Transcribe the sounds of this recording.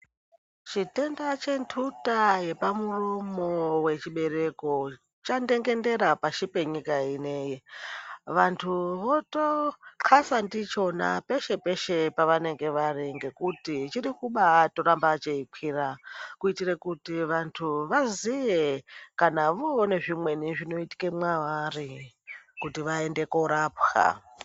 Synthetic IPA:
t͡ʃite̞ndat͡ʃe̞ntʰutaje̞pamuromo̞we̞t͡ʃiɓe̞ɾe̞ko̞ | t͡ʃande̞ŋɡe̞nde̞ɾapaʃipe̞ɲikaine̞ji | ʋantʰuʋo̞toǃʰasandit͡ʃo̞na̰pe̞ʃe̞pe̞ʃe̞paʋane̞ŋɡe̞ʋariŋɡe̞kutit͡ʃiɾikuɓatoɾambat͡ʃeipʰiːrakuitirekutiʋantʰuʋazijekanaʋoone̞ʐimwe̞niʐino̞iti̥kemwawari | kutiʋaende̞koɾaːpxa̰

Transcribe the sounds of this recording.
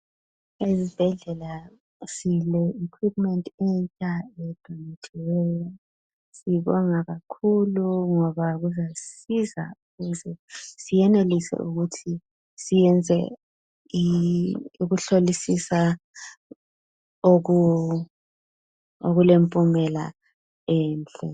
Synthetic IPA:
ezib̥ʱɛɮɛla | silɛikʰwipmɛntʼɛnt͡ʃʼaɛd̥ʱɔnatʰilɛjɔ | siiβɔŋaɣakʰuluŋɔβaɣuzasiza̰uɣuzɛsijɛnelisɛ̰ʔuɣutʰi | sijɛnd͡zʱɛ̰ | uɣuɬolisisa | oɣu | oɣulempʼumɛla̰ | ɛːnt͡ɬʼɛ̰

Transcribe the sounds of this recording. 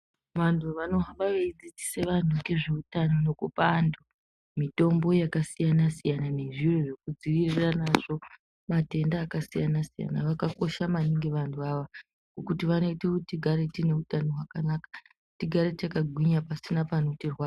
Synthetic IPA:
ʋantʰuʋano̞ɦaɓaʋeid͡zid͡ziseʋan̤uke̞ʐe̞utano̞nokupandu | mito̞mbo̞jakasijanasijanane̞ʐiro̞ʐe̞k̚ud͡ziʋiriranaʐo̞ | mate̞ndaːkasijanasija̰na̰ʋakako̞ʃamaniŋɡe̞ʋantʰuaʋa | ɡokutiʋano̞itetiɡʱaɾe̞tine̞utanoɦwakanakḁ | tiɡʱaɾe̞t͡ʃakaɡʱwiɲapasinapanotirwa

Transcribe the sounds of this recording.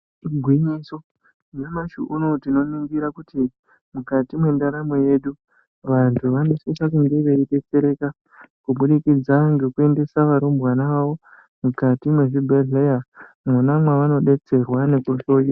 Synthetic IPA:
ɡʱwiɲiso̞ | ɲamaʃuʔuno̞tino̞niŋɡiɾakuti | mukatimwe̞ndaɾamoje̞ɗu | ʋantʰuʋano̞sisakundeʋeiɗe̞t͡se̞ɾe̞ka | kuɓuɗikid͡zaŋɡe̞kue̞nde̞saʋaɾombwanaʋaʋo̞ | mukatimwe̞ʐibʱeɮeja | munamwaʋano̞ɗe̞t͡se̞rwane̞kuʃoji

